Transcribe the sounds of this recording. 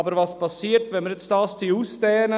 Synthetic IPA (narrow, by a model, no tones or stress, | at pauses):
bəɾvɑspʰɑsiːɾtʋɛnməɾjɛt͡stɑːstiuːstɛːnə